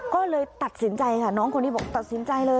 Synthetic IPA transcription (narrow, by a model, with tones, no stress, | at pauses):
kɔː˥˩lɤː˧jt̪a˨˩t̪̚si˩˦nt͡ɕa˧jkʰa˥˩nɔː˦˥ŋkʰo˧nːtʰːiː˦˥˩ɔː˨˩k̚t̪a˨˩si˩˦nt͡ɕa˧jlɤː˧